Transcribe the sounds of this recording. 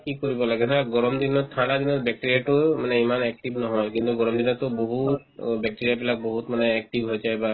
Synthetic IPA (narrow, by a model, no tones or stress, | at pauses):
kikɔɾibɔlaɡet̪ʰaɡɔɾɔmd̪inɔt̪ʰaɽad̪inɔɾbɛk̚ʈiɾijaʈumaneimanɛk̚ʈibnɔɦɔjkint̪uɡɔɾɔmd̪inɔt̪ɔboɦut̪bɛk̚ʈiɾiapilak̚boɦut̪maneːk̚ʈibɦojd͡ʒajba